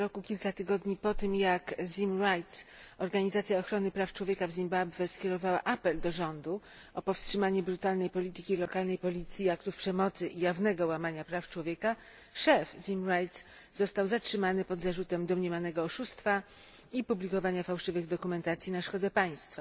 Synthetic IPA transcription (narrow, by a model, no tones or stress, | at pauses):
ɾɔkukʲilkat̪ɘɡɔd̪ɲipɔt̪ɘmjakzʲimɾajt̪s | ɔɾɡaɲizat̪sʲjaɔxɾɔnɘpɾaft͡ʂwɔvʲjeɛkavzʲimbabvɛskʲjɛɾɔvawa̰ʔapɛld̪ɔʐɔnd̪u | ɔpɔfstʂɘmaɲɛbɾut̪alnɛjpɔlʲit̪ɘkʲilɔkalnɛjpɔlʲit̪sʲjiakt̪ufpʂɛmɔt̪sɘʔijavnɛɡɔwamaɲapɾaft͡ʂwɔvʲjɛka | ʂɛfzʲimɾajt̪s | zɔst̪awzatʂɘmanɘpɔd̪zaʐut̪ɛmd̪ɔmɲemʲanɛɡɔɔʂust̪fa | ipublʲikɔvaɲafawʂɘvɘɣd̪ɔkumɛnt̪at̪sʲjinaʂkɔd̪ɛpaj̃st̪fa